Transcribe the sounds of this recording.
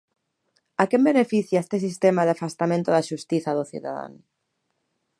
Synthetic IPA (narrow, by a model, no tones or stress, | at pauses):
akembenefiθjaest̪es̬ist̪emaðafast̪amẽnt̪oðaʃust̪iθaðoθjṵða̰ða̰n